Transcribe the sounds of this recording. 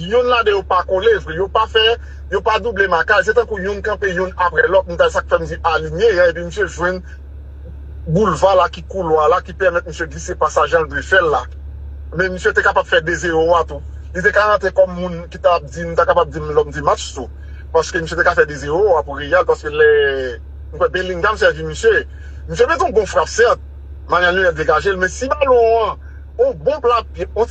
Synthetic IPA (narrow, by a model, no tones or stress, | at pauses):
jũnladejopakolevijopafɛ | jopad̪ublemakajs̬et̪ɐ̃kujũnkɐ̃pejũnapʁɛlɔt̪̚nũt̪aesak̚fɛm̩d͡ziʔaliɲeãep̬im̩sjeʒwɛ̃n | bulvalakikulwalakipɛʁmɛt̪̚m̩sjøɡlisepasaʒãldwefɛlːa | mɛ̃m̩sjøt̪ekapab̥fɛdezeʁoat̪u | lit̪ekaʁãt̪ekɔmːũnkit̪ab̚d͡zinũt̪akapab̚d͡zimlɔtmd͡zimat͡ʃt̪u | paskømĩsjet̪ekafɛd̪ezeoapuʁejɛlpaskølɛ | nũkwɛbɛ̃lĩŋɡam̩sɛvimisje | mis̬ømɛ̃t̪ɔ̃bɔ̃fʁapsɛt̪̚ | manjalnyɛld̪eɡaʒelmɛ̃sibalɔ̃ã | ɔ̃bɔ̃plapjeɔ̃